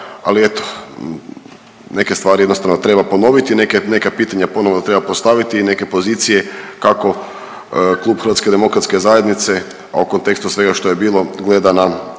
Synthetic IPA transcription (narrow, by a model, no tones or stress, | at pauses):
a̰liet̪o̥ | ne̞ke̞st̪ʋaːɾijd̪nost̪aʋnot̪ɾe̞bapo̞no̞ʋit̪ine̞kene̞kapiːt̪aɲapo̞no̞ʋnot̪ɾebapost̪aʋit̪iːne̞ke̞po̞ziːt̪sije̞kako̞ | klˠuːbxɾ̩ʋat̪sked̪e̞mo̞kɾat̪ske̞zajed̪nit̪se̞ | a̰uko̞nt̪e̞kst̪usʋe̞ɡaʃt̪o̞je̞biːlˠoɡle̞d̪ana